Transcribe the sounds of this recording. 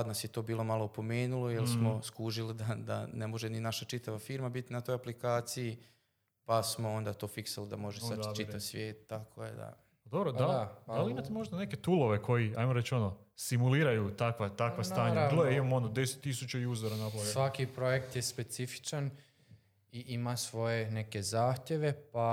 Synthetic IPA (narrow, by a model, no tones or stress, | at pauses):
ad̪nasjet̪o̞ːbiːlˠo̞malˠoupo̞meːnulˠojelsmo̞skuːʒilid̪ad̪a̰ne̞mo̞ʒeninaʃat͡ʃit̪aʋafiːɾmabit̪inat̪o̞japlikaːt̪siji | pasmo̞o̞nd̪at̪o̞ːfiksalid̪a̰mo̞ʒesat͡ʃit̪aʋsʋje̞ːt̪̚ːakʰojḛd̪a̰ | d̪obɾod̪ad̪ad̪aliimat̪emo̞ʒd̪aneket̪uloʋe̞kʰo̞jiajmoɾet͡ɕo̞nosimuliːɾajut̪akʋat̪akʋast̪aːɲaabilˠojeimamonod̪eset̪ːisut͡ɕaiuzoɾanaplˠasʋakipɾo̞jekt̪jespe̞t̪sifi̥t͡ʃan | iʔimasʋo̞je̞neke̞zaːxt̪je̞ʋe̞pa